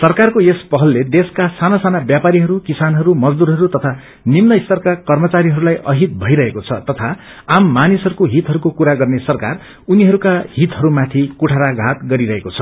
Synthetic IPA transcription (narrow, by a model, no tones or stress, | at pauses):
sʌrkarkoespʌɦʌlːed̪eskasanasanabjapaɾiɦʌɾukisanɦʌɾumʌd͡zd̪uɾɦʌɾut̪ʌt̪ʰa | nimnʌist̪ʌrkakʌrmʌt͡saɾiɦʌɾulajʔʌɦit̪̚bʱʌiɾʌɦekot͡sʰʌt̪ʌt̪ʰa | amːanisɦʌɾukoɦit̪ɦʌɾukokuɾaɡʌrnesʌrkar | uniɦʌɾukaɦit̪ɦʌɾumat̪ʰikuʈʰaɾaɡʱat̪̚ɡʌɾiɾʌɦekot͡sʰʌ̥